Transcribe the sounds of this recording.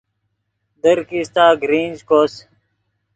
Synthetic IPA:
d̪əɾkist̪aːɡɾiːnd͡ʑkoːs

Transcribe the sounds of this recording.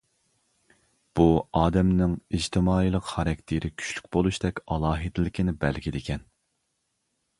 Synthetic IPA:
b̥uɑːd̪ɛmnɪŋid͡ʒt̪ʰɪmɑːilˠəqχɑɾɛkʲt̪ʰeɾɪkʲʰy̥ʃly̥kʲbolˠuʃd̪ɛkʲɑlˠɑːɦid̪ɪlɪkʲɪnɪbɛlɡʲid̪ekʲʰɛn

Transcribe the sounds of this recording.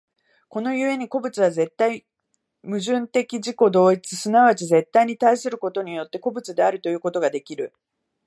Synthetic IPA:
ko̞no̞jɯ̟e̞ɲ̟iko̞bɯ̟t͡sɨβ̞aze̞t̪ːai | mɯ̟ʑɨ̃nt̪e̞kʲiʑiko̞d̪o̞ːit͡sɨsɨnaβat͡ɕize̞t̪ːaiɲ̟it̪aisɨɾɯ̟ko̞t̪o̞ɲ̟ijo̞t̪ːe̞ko̞bɯ̟t͡sɨd̪e̞aɾɯ̟t̪o̞jɯ̟ːko̞t̪o̞ɡad̪e̞kʲiɾɯ̟

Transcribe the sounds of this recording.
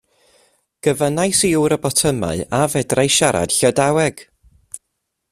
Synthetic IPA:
ɡ̥əvənajsiuːɾəbɔtʰəma̰ɨavɛdrajʃaɾa̰d̥ɬɔdawɛɡ̥

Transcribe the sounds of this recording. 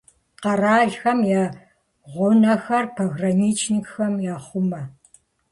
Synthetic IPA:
qɐraːɮxɐmjaː | ʁʷʊnɐxɐrpʰɐɣrɐmiːt͡ʃʰnikxɐmjaːχʷʊmɐ

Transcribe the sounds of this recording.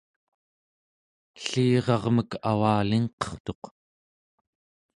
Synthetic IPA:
ɬiːʁɑʁməka̰waːliŋqʌ̥χt̪o̞q

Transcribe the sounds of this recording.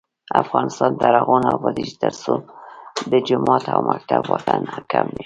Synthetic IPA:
afɣɑnɪst̪ɑnd̪aɾaɣunawbad̪iʒd̪aɾso | b̪əd͡ʒʊmɑt̪ʰawmʔak̚t̪abwɔt̪anakʰamːe

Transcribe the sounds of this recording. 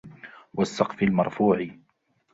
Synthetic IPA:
wasːɑqfɪlmɑɾˤfuːʕɪ

